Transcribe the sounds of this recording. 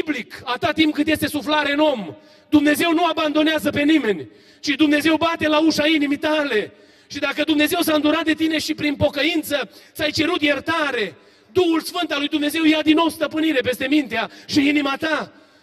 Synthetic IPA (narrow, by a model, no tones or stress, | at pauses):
blikat̪at̪impkɨt̪jest̪e̞suflaɾeɨno̞m | d̪umne̞ze̞wnuaband̪o̞neazəpe̞nime̞nʲ | t͡ʃid̪umne̞ze̞wbat̪e̞lauʃainimit̪ale̞ | ʃid̪akəd̪umne̞ze̞wsaɨnd̪uɾat̪̚d̪e̞t̪ine̞ʃipɾinpo̞kəint̪sət̪sajt͡ʃe̞ɾut̪jert̪aɾe̞ | d̪uhulsfɨnt̪alujd̪umne̞ze̞wjad̪inːo̞wst̪əpɨniɾe̞pe̞st̪e̞mint̪eaʃiinimat̪a